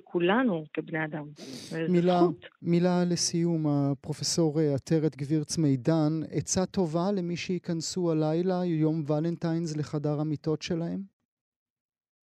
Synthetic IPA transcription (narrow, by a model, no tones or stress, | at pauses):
kʰulanukebnead̪amzmilaut̪milalesijumapʁo̞feso̞ʁeatʰeʁet̪ɡviʁt͡sme̞jdanḛt͡sat̪o̞vale̞miʃeikansualajlajo̞mvalentajnzleχadaʁamito̞tʃe̞lahe̞m